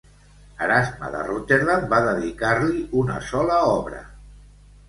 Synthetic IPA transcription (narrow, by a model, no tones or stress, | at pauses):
aɾazma̰ðə̰rut̪eɾðambaðəðikaɾliunə̰sɔlaɔβɾə̰